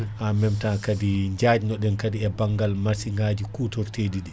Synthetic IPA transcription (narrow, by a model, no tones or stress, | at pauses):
ʔamɛmtakadiɲd͡ʒad͡ʒinɔɗɛnkadiɛbaŋɡalmasiŋɡaːd͡ʒikuːtɔɾtedidɛ